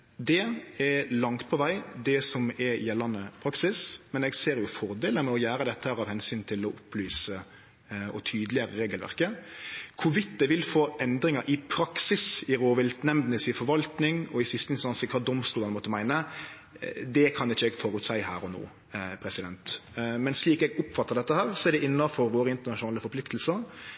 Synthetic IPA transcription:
d̪ɛɛɾlɑŋt̪̚pʰɔʋæɪd̪ɛsɔmɛɾjɛlːɑnəpʰɾɑksɪsmɛnɛɡseːɾjʊfɔɾd̪eːləmɛɔjæːɾəd̪ɛt̪ːəhæːɾɑʋhɛnsyːnt̪ʰɪlɔʔʊplyːsə | ɔt̪ʰyːd̪lɪəɾəɾeːɡəlʋæ̰ʁkəkʰʊʋɪt̪d̪ɛʋɪlfoːʔɛnd̪ɾɪŋɑɾʔɪpʰɾɑksɪsɪɾoːʋɪlt̪nɛmd̪nəsɪfɔɾʋɑlt̪nɪŋɔɪsɪst̪ənɪsɑnsɪkʰɑd̪ɔmst̪uːlɑnmɔt̪ːəmæɪnə | d̪ɛkʰɑnɪçːəɛːɡfɔɾʉt̪sæɪhæ̰ːɾɔno̰ː | pʰɾɛsɪd̪ɛnt̪mɛnsliːkɛɡʊpːfɑt̪ːəɾd̪ɛt̪ːəhæːɾsɔɛɖ̪ɛɪnːɑfɔɾʋoːɾəɪnt̪ənɑʂʊnɑːləfɔɾpʰlɪkt̪əlsəɾ

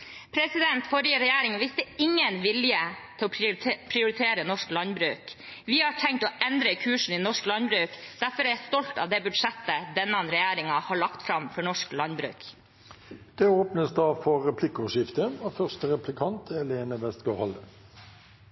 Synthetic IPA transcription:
pʰɾɛsɪd̪ɛnt̪fɔɾjəɾɛjæːɾɪŋʋɪst̪əɪŋːənʋɪljət̪ʰɪlɔpʰɾɪʊɾɪt̪ʰeːɾənɔʂklɑnbɾʉːkʋɪhɑʈʰɛŋkt̪oːʔɛnd̪ɾəkʰʉːʂn̩ɪːnɔʂklɑnbɾʉːkd̪̥æɾfɔɾɛæst̪ɔlt̪ɑ̰ʋd̪ɛːbʉd̪ʂɛt̪ːəd̪ɛnːɑnɾɛjæːɾɪŋɑhɑɭɑkt̪fɾɑmfɔɳɔʂklɑnbɾʉ̰ːk | d̪̥ɛoːpnəsd̪ɑːfɔɛpʰlɪkːuːʂɪft̪əɑfœʁst̪əɾɛplɪkʰɑnt̪ʰɛleːnəʋɛst̪ɡɑhɑlə

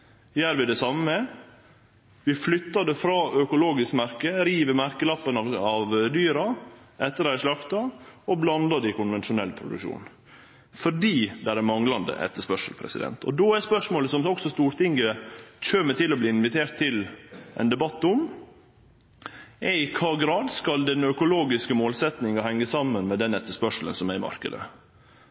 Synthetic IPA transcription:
jæːɾʋɪd̪ɛsɑmə | ʋɪflʏt̪ːɑɖ̪ɛfɾɑːœkʊloːɡɪskmæɾkəɾiːʋəmæɾkəlɑpːənɑɑʋd̪yːɾɑɛt̪ːəɾæɪʂlɑkt̪ɑɔblɑnd̪ɑd̪ɪkʊnʋɛnʃʊnɛlːpʰɾʊ̰d̪ʉ̰kʂṵːn | fɔɖiːd̪æɾæmɑŋlɑnd̪ə̰ʔɛ̰t̪ːəʂpœʂəlpʰɾɛ̰sɪd̪ɛ̰nt̪ʰɔ̰d̪oːæspœʂmoːləsɔmɔksɔst̪uːɾt̪ʰɪŋɡəc͡çøːmət̪ʰɪlːɔbliːɪnʋɪt̪ʰeːɾʈt̪ʰːɪlʔɛ̰nd̪ɛbɑt̪ːʊm | ɛɪkʰɑːɡɾɑːd̪skɑld̪ɛnœkʊloːɡɪskəmoːlsɛt̪nɪŋɑhɛŋːəsɑmːənmɛd̪ɛnɛt̪ːəʂpœʂlə̰nsɔmæɾɪmɑ̰ɾkə̰d̪ə̰

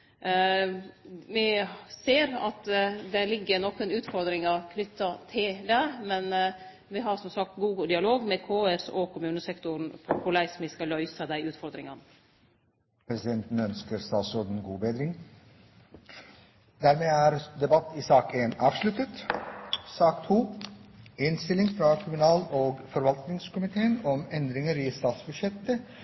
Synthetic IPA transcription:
ʋɪseːɾɑ̰t̪d̪ɛlɪɡːənɔkːənʉːt̪fɔɾd̪ɾɪŋɑkʰnʏt̪ːɑt̪ʰɪld̪ɛmɛn | ʋɪɦɑɾsɔmsɑk̚t̪ɡuːɡəld̪ɪɑloːɡmɛkʰoːæɾsɔkʰʊmʉːnəsɛkt̪ʊɾn̩pʰɔkʰʊlæɪsmɪskɑlœʏsɑd̪æɪʉːt̪fɔɾd̪ɾɪŋɑn | pʰɾɛsɪd̪ɛnt̪n̩œnskəɾst̪ɑːlsɔd̪nɡuːbeːd̪ɾɪŋ | d̪æːɾmeːæːɾd̪ɛbɑt̪ːɪsɑːkeːnɑːʋʂlʉt̪ət̪ | sɑːkt̪huː | ɪnst̪ɪlɪŋfɾɑkʰʊmʉnɑːloːɡfɔɾʋɑlt̪nɪŋskʊmɪt̪ʰeːənɔmɛnd̪ɾɪŋəɾɪst̪ɑːt̪sbʉd̪ʃjɛt̪ːə

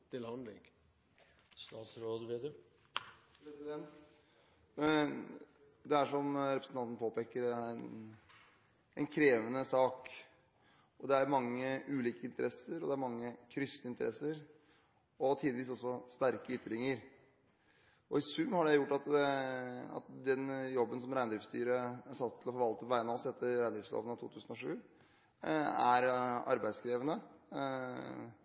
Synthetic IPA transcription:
t̪ʰɪlhɑnd̪lɪ̰ŋ | st̪ɑːt̪sɾoːd̪ʋed̪ə | pɾɛsɪd̪ɛnt̪ | d̪ɛæʂɔmɾɛpɾəsn̩ɑnt̪n̩pʰoːpeːkːəɾæɾn | ɛnkʰɾeːʋənəsɑːk | ɔd̪ɛæɾmɑŋːəʉːliːkəɪnt̪əɾɛsəɾɔd̪ɛæɾmɑŋːəkʰɾʏst̪əɪnt̪əɾɛsːəɾ | ɔt̪ʰiːd̪əʋiːsɔsːɔst̪æɾkəʏt̪ːɾɪŋəɾ | ɔɪsʉmːhɑɖɛjʊʈːɑt̪ | ɑ̰t̪d̪ɛnjɔbːənsɔmɾæɪnd̪ɾɪfst̪y̰ːɾəsɑt̪ʰːɪlɔfɔɾʋɑlt̪əpʰæɪnɑɔsɛt̪ʰːəɾɾæɪnd̪ɾɪːfslo̰ːʋənɑt̪ʰṵːt̪ʉːsn̩ɔʂʉː | æɾɑ̰ɾbæɪskɾeːʋənə

